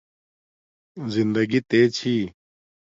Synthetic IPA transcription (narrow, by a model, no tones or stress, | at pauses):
zind̪əɡit̪eːt͡ɕʰiː